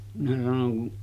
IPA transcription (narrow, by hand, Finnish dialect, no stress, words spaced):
minæ sɑnoŋ kun